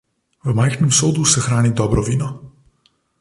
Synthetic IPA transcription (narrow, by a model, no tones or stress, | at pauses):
vəmajxnɛmsoːd̪usɛxɾaːnid̪ɔːbɾɔʋiːnɔ